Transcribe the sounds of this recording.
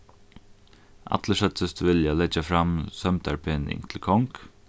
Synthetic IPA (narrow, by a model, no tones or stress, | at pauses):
ʔɑ̰t̪ʰləʂɛt̪əst̪ʋɪljɑlɛd͡ʒəfɾɑmsœmt̪ʰæɹpʰeːnɪ̰ŋt̪ʰɪl̩kʰɔŋk